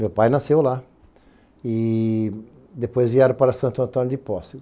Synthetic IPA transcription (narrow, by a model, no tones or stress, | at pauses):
mewpajnasewla | ɪ | d̪epojzviɛɾɐ̃paɾɐsɐ̃nt̪ʊɐ̃nt̪õnjʊd̪ɪpɔsɪʊ